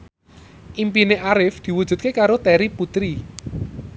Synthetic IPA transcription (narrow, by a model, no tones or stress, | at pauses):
ʔimpineʔaɾɪfd̪̥i̤wuʒ̥ṳt̪̚kekaɾot̪ɛɾiput̪ɾi